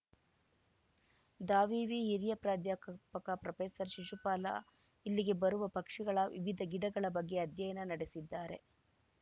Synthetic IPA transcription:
d̪aːʋiːʋiɦiɾjɐpɾaːd̪jaːkpɐkɐpɾɐpeːsɐɾʃiʂupaːla̰ | ilːiɡe̞bɐɾuʋɐpɐkʂiɡɐɭɐʋḭʋid̪ʱɐɡiɽɐɡɐɭɐbɐɡːe̞ɐd̪jɐjɐnɐnɐɽesid̪ːaːɾe̞̰

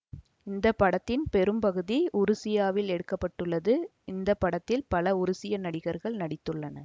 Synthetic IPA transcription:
ɪnd̪ɐpːɐɽɐt̪ːɪnpɛɾɯmpɐɣɯðiʔʊɾɯsɪjaːʋɪlɛɽɯkːɐpːɐʈːɯɭːɐðɯ | ɪnd̪ɐpːɐɽɐt̪ːɪlpɐlɐʊɾʊsɪjɐnɐɽɪɣɐɾɣɐɭnɐɽɪt̪ːɯɭːɐnɐ

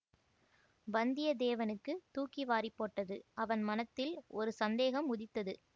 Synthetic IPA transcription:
bɐnd̪ɪjɐd̪eːʋɐnɯkːɯt̪uːkiʋaːɾɪpːoːʈːɐðɯʔɐʋɐnmɐnɐt̪ːɪlʔɔɾɯsɐnd̪eːɣɐmʊðɪt̪ːɐðɯ

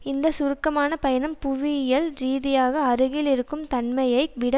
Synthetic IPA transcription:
ɪnnd̪ɐsʊɾɯkːɐmaːnɐpɐjɐnɐmpʊʋɪjɐlɾiːðɪjaːɣɐɐɾɯɣɪlɪɾɯkːɯmt̪ɐɳmɐjɐɪʋɪɽɐ

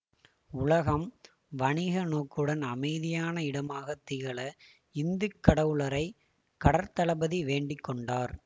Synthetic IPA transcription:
ʊlɐɣɐm | ʋɐɳɪɣɐnoːkːɯɽɐnɐmɐɪðɪjaːnɐɪɽɐmaːɣɐt̪ːɪɣɐɭɐ | ɪnd̪ɯkːɐɽɐʋɯɭɐɾɐɪ | kɐɽɐɾt̪ɐɭɐbɐðiʋeːɳɖɪkːɔɳɖaːɾ

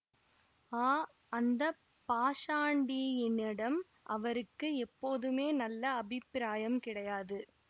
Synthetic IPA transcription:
aː | ɐnd̪ɐ | paːʂaːɳɖiɪnːɪɽɐm | ʔɐʋɐɾɯkːɯɛpːoːðɯmeːnɐlːɐɐbʱɪpɾaːjɐmkɪɽɐjaːðɯ

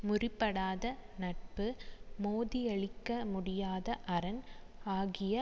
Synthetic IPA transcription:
mʊrɪpːɐɽaːðɐnɐʈ̚pɯmoːðɪɐɭɪkːɐmʊɽɪjaːðɐʔɐɾɐn | aːɣɪjɐ

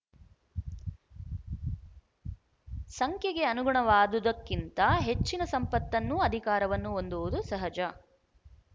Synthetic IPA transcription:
sɐŋkʰjɐɡe̞ɐnuɡuɳɐʋaːd̪ud̪ɐkːint̪ɐɦe̞t͡ʃːinɐsɐmpɐt̪ːɐnːuɐd̪ʱikaːɾɐʋɐnːuond̪uʋud̪usɐɦɐd͡ʒɐ

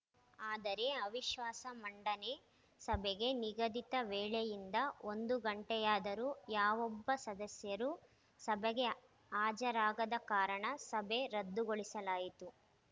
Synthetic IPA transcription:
aːd̪ɐɾeɐʋiʃʋaːsɐmɐɳɖɐne | sɐbɛɡe̞niɡɐd̪it̪ɐʋɛːɭɛjind̪ɐond̪uɡɐɳʈɛjaːd̪ɐɾujaːʋɔbːɐsɐd̪ɐsjɐɾu | sɐbɛɡe | aːd͡ʒɐɾaːɡɐd̪ɐkaːɾɐɳɐsɐbeɾɐd̪ːuɡoɭisɐlaːjit̪u

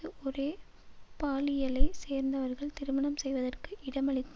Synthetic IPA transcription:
ɯʔɔɾeː | paːlɪjɐlɐɪseːɾnd̪ɐʋɐɾɣɐɭt̪ɪɾɯmɐɳɐmsɛjʋɐðɐrkɯʔɪɽɐmɐɭɪt̪ː

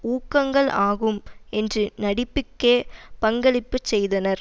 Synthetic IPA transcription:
uːkːɐŋɡɐɭaːɣɯmɛndrɯnɐɽɪpːɪkːeːpɐŋɡɐɭɪpːɯt͡ʃsɛjðɐnɐɾ

